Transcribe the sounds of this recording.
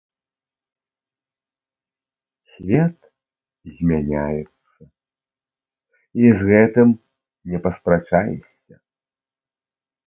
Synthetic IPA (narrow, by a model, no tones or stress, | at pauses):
sʲvʲɛt̪ | zʲmʲanʲajɛt̪sɐ | izɣɛt̪ɨm | nʲɛpɐspɾat͡ʂajɛ̰sʲːɐ